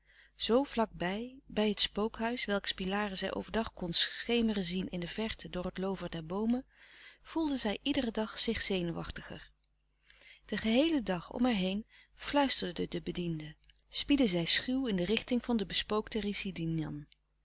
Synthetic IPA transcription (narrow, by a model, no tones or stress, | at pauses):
z̥owvlɑk̚bɛjbɛjɦətspowkɦœɥsʋɛlˠkspilaːrəzɛ̰jʔo̰wvəɹdɑχkɔnsχejmərəzinɪndəvɛɹtʰədʊːrətlowvəɹdɛɹbowməv̥ulˠdəzɛjʔidərədɑχz̥ɪχz̥ejnuʋɑ̰χtəχə̰ɹ | d̥əχəɦejlədɑχɔ̰mɦɛɹɦejn | flœɥstəɹdədədəbədində | spidəzɛjsχywɪndərɪχtɪŋv̥ɑndəbəspowktərisidinjɑ̰n